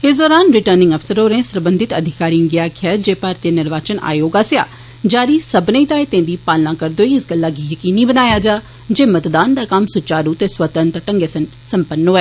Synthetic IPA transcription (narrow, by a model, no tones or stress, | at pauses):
ɪs̬d̪ɔːɾaːnɾɪʈəɾnɪ̃ŋɡəpʰsəɾoːɾẽːsɾəbənd̪ɪt̪əd̪ʱɪkaːɾiːɡɪjaːkʰɛːd͡ʒeːpaːɾt̪ijənɪɾʋaːt͡ʃənʔa̰ːjoːɡaːsɪja̰ː | d͡ʒaːɾiːsəbnẽit̪aːet̪ẽːd̪iːpaːlnãːkəɾd̪oːiɪsɡəlːaːɡiːjəkiːniːbənaːjaːd͡ʒaː | d͡ʒeːmət̪d̪aːnd̪aːkəmsʊt͡ʃaːɾuːt̪eːswət̪ənt̪əʈəŋɡeːsən | səmpənːoːɛː